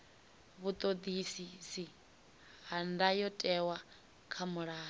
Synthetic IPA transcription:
βut̪ʼod̪isisi | ɦandajɔtʼɛwa | kʰamuɺaː

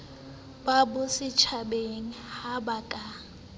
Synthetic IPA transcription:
babʊsɪt͡ʃʰabeŋ̩habakʼa

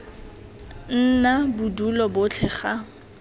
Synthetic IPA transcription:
n̩nabudulɔbʊt͡ɬʰɛχa

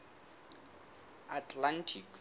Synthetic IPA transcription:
atʰlantʰik

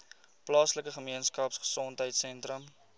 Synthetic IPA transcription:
plɑːsləkəχəmiənskɐpsχə̥sɔntɦəjtsɛntrəm

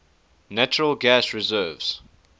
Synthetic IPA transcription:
næt͡ʃəɹəlɡæsɹɪzɜːvz̥

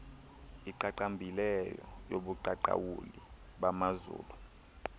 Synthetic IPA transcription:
iǃaǃambʱilɛjɔjoɓuǃaǃa̰wuliɓamazṵːlu

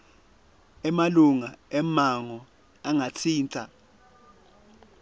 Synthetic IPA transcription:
ɛmaluŋaɛmaŋɔ | aŋatʰiːntʼa

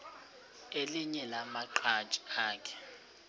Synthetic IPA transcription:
eliɲɛlamaǃʰḁt͡ʃʼi̥aːkʰɛ̥

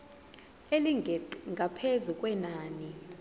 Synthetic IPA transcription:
eliŋʱapʰezukʼwɛnaːni

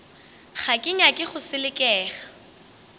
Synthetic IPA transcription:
χakʼɪɲakʼɪχʊsɪlɪkʼɛːχḁ

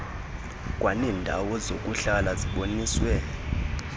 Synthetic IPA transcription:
kʼwaniːndʱa̰wɔzokʼuɬalaziɓoniːswɛ

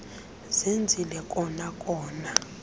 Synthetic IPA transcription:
z̥end͡zʱilɛkʼɔnakʼɔːna

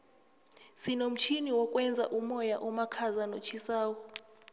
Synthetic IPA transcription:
sinom̩t͡ʃʰiniwɔkʼwɛnd͡zʱa̰ʔumɔjaʔɔmakʰazanot͡ʃʰisaːwɔ

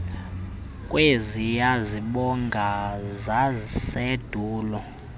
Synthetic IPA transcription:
kʼwezijaziɓɔŋɡʱazased̥ʱuːlɔ

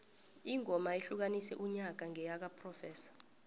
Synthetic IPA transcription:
iŋɔmaiɬuk̬anisɛ̰ʔuɲak̬aŋʱɛjak̬apʰrɔfɛːsḁ

